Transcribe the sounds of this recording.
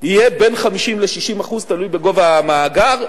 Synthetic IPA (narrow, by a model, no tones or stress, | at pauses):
hije̞be̞nχamiʃimleʃiʃimaχuzt̪alujbe̞ɡo̞vamaːɡaʁ